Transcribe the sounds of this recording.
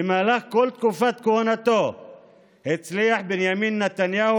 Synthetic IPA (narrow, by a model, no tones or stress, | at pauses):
emalaxkolt̪̚kufat̪kohanat̪o | het͡slijaħbenjamiːnːat̪anjah